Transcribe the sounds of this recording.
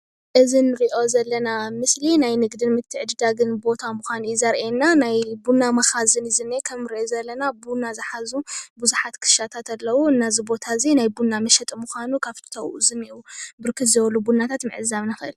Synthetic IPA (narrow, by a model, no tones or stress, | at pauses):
ʔɨzinːɨɾiʔo̞zɐlːɐnamɨslinajnɨɡd̪ɨnmɨt̪ʰːɨʕɨd̪ɨd̪aɡɨnbo̞t̪ʰamuxʷanuizɐɾʔenːanajbunːamɐxazɨnɨzɨnːekʰɐmɨɾiʔozɐlːɐnabunazɨħazubuzuħat̪kʰɨ̥ʃat̪ʰat̪ʰalːɐwuɨnːazibo̞t̪ʰazinajbunːamɐʃɐt̪ʼmuxʷanukʰaβ̥t̪ʰɐwuzɨmiʔubɨɾkʰɨt̪zɐwlːubunːat̪ʰat̪mɨ̰ʕɨzaβnɨxɨʔɨ̰l